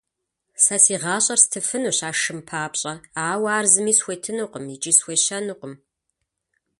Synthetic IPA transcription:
sɐsiːʁɑːɕʼɐrstʰɨfɨnuɕaːʂɨmpʰaːpɕʼɐaːwaːrzɨmiːsxʷetʰɨnuːqʼəmit͡ʃʼisxʷeɕɐnuqʷʼəm

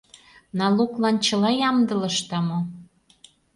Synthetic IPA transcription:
nɑluklɑnt͡ɕə̆lɑjɑmd̪ɤ̆lɤ̆ʃt̪ɑmo

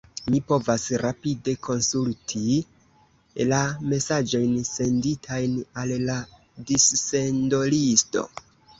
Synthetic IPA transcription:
mipo̞vasɾapide̞kʰo̞nsultʰi | lame̞sad͡ʒo̞jnse̞nditʰajnalla | disːe̞ndo̞listo̞̰

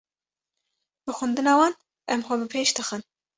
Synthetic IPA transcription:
b̥ɨxʊnd̪ɨnɑːwɑːn | ʔɛmxʷɛbɨpʰeːʃd̪ɨxɨn

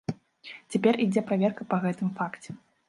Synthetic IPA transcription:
t͡sʲapʲɛrid͡zʲɛpɾavʲɛrkɐpɐɣɛt̪ɨmfakt͡sʲɛ

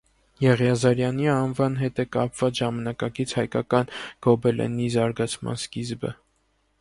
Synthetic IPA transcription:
jɛʁjɑzɑɾjɑniɑnvɑnɦɛt̪ɛkɑpv̥ɑt͡sʒɑmɑnɑkɑkit͡sʰhɑjkɑkɑnɡ̥ɔbɛlʔɛ̰nizɑɾɡɑt͡sʰmɑ̰nskizbə̰

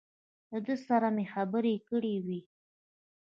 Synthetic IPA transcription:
ləd̪əsaɾamexabəɾekəɽewi

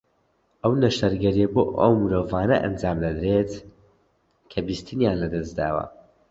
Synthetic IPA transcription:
ʔɐwnɐʃɐɾɡɐɾijɐboʔɐ̰wmɨɾoːvaːnɐ̰ʔɐ̰nd͡ʒaːmd̪ɐd̪ɾet̪ | kʰɐbist̪ʰɨnjaːnlɐd̪ɐsd̪a̰ːwɐ̰

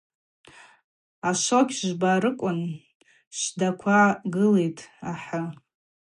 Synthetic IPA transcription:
aʃokʲʒʷbaɾɨkʷʼʊn | ʃʷdakʷʰaɡɨle̞jtʼaħa

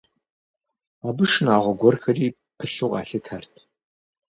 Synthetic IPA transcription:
abɨʂnaːʁʷɔɡʷɔrxɐriː | pʰɨɬɨqʼɑ̰ːɬɐtʰɐrtʰ

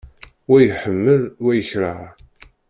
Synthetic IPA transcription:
wæjħəmːəlwæjəçɾə

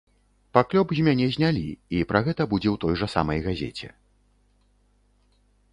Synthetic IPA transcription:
paklʲɔbzʲmʲanʲɛzʲnʲalʲiipɾʔɐɣɛt̪ɐbud͡zʲɛwt̪ɔjʐɐsa̰mɐjɣazʲɛ̰t͡sʲɛ̰

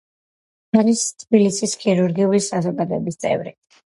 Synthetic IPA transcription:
aɾist̪ʰbilisiskʰiɾuɾɡiulisazɔɡad̪ɔɛbist̪sʼɛ̰vɾḭ

